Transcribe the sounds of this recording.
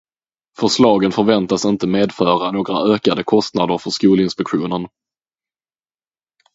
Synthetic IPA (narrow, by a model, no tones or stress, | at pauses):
fœʂlɑːɡənfœɾvɛnt̪asɪnt̪əmeːd̪fœːɾanoːɡɾa̰øːkad̪əkʰɔst̪nad̪əɾfœʂkuːlɪnspɛkɧuːnən